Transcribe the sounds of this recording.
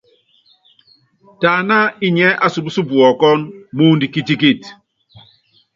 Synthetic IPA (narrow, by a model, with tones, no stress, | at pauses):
ta˨na˦i˦ɲɛ˦ʔa˦su˨bu˦su˦bu˨ɔ˨kɔ˦nmu˦ndi˨ki˦ti˦ki˦˨t